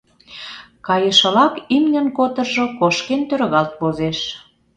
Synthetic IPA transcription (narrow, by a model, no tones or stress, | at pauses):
kɑjə̆ʃə̆lɑkimnə̆nkot̪ə̆rʒokoʃkent̪øɾɣɑlt̪̚βozeʃ